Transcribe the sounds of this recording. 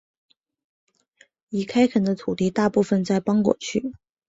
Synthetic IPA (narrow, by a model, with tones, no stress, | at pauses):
i˨˩kʰa˥ɪkʰə˨˩nd̪ə˦t̪ʰu˨˩t̪i˥˧t̪a˥˧pu˥˩fə˧nt͡sa˥˩ɪpɑ˥ŋkwɔ̰˨˩t͡ɕʰy˥˩